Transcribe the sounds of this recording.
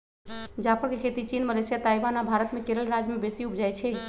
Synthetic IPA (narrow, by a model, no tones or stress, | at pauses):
d͡ʒapʰəɾkekʰet̪it͡ʃinməlesijat̪ajbanabʱaɾət̪mekeɾəlɾad͡ʒmebesiupd͡ʒajt͡ʃʰɛ